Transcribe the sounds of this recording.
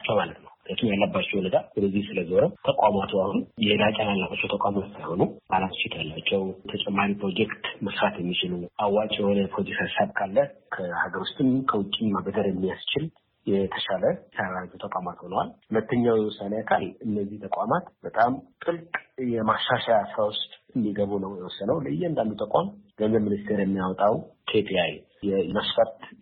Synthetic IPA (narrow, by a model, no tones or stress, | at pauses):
t͡ʃːɛwmalət̪nəwnet̪ʰumjalːabːat͡ʃːɛhʊnət̪ʰawɔd̪əzːihsɨləzoɾət̪ʰəkʼamat̪ʰuahunjɛhd̪akʼanalːabat͡ʃːɛwt̪ʰəkʷʼamat̪sajho̞nub̥alast͡ʃːɪt̪ʰjalːat͡ʃːɛwt̪ʰət͡ʃʼɛmːaɾipɾo̞d͡ʒɛkt̪məsɾat̪jɛmːit͡ʃɪluʔawːat͡ʃʼjɛho̞nəpɾod̪isəɾsaβkʰalːəkʰəhaɡəɾwust̪ʼɨnkʰəwʊt͡ʃʼːimabəd̪əɾjɛmːijast͡ʃɪl | jɛt̪ʰəʃaləsaait̪ʰut̪əkʼamat̪ho̞nəwa̰lhʊlət̪ʰːəɲːawjɛwɔsːanəjakʰa̰lɨnːəzːiht̪ʰəkʷʼamat̪bət̪ʼamt̪ʼɨlkʼjɛmaʃːaʃajasɾawʊst̪ʼɨnd̪iɡəβunəwjɛwɔsːənəwlɨjːɛɨnd̪amit̪ʼəkʼa̰mɡ̥ənzəβmɨnist̪ʰe̞ɾjɛmːijawɔt̪ʼawkʰepʰiaj | jɛmasfət̪